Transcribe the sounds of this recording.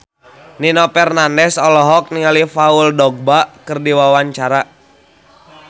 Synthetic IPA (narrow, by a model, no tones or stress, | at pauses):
ninɔpɛrnandɛsɔlɔɦɔk̚niŋalifauldɔɡ̚bakɨrdiwawaɲt͡ʃaɾa